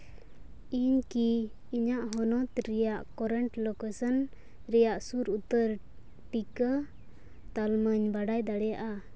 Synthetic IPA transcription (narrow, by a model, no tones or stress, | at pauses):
iɲkiː | ɲaʔɦɔnɔt̪ɾɛjaʔkɔɾɛɳʈlɔkesən | ɾɛjaʔsuɾut̪əɾ | ʈikə | t̪alməɲbaɖajd̪aɽɛjaʔa